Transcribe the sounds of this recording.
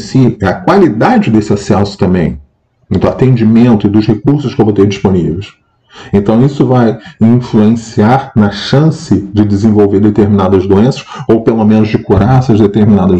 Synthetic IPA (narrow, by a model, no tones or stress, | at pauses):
siɛɐkwalid̪ad͡ʒɪd̪esɪasɛsʊ̥t̪ɐ̃mbẽj̃ | ẽnt̪ʊat̪ẽd͡ʒimẽnt̪ʊɪd̪ʊʃhekuɾsʊʃkɪvot̪eɾd͡ʒiʃponivejs | ẽnt̪ɐ̃w̃isʊvajĩfluẽsiaɾnɐʃɐ̃sɪd͡ʒɪd͡ʒɪzẽvowveɾd̪et̪eɾminad̪ɐzd̪uẽsɐ̥ʃowpelomẽnʊzd͡ʒɪkuɾaɾɛsɐzd̪et̪eɾminad̪ɐ